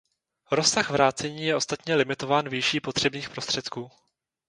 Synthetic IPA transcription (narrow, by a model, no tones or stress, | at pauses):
ɾo̞saɣvɾaːt͡sɛɲiːjɛʔo̞st̪at̪ɲɛlɪmɪt̪o̞vaːnviʃiːpo̞t̪r̝̥ɛbɲiːxpɾo̞st̪r̥ɛt̪kuː